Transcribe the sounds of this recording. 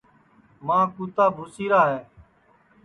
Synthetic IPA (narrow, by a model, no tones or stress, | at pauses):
mãːkuːt̪aːbʱʊsiːɾaːɦɛː